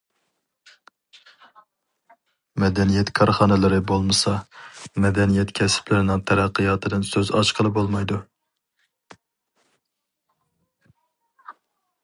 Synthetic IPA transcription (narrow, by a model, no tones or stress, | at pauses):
mɛd̪ɛnijɛt̪kʰɑɾχɑːnɨlɪɾɪbolˠmɨsɑmɛd̪ɛnijɛt̪kʲʰɛsɪ̥pʰlɪɾɪnɪŋt̪ʰæɾæqʰːɨjɑːt̪ʰɨd̪ɨnsøzɑt͡ʃqʰəlˠɨbolˠmɑjd̪u